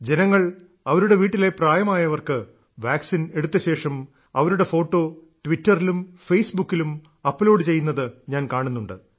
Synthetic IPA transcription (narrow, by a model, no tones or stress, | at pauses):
d͡ʑe̞nɐŋːɐɭ | ɐʋɐɾuɽe̞ʋiːʈːile̞praːjɐmaːjɐʋɐrkɨ | ʋaːksine̞ɽut̪ːɐɕe̞ːʂɐm | ɐʋɐɾuɽe̞fo̞ːʈːo̞ːʈʋitːɐrilumfejsbukːilum | ɐpːlo̞ːɖɨt͡ɕe̞jːunːɐðɨɲaːnkaːɳunːuɳɖɨ̰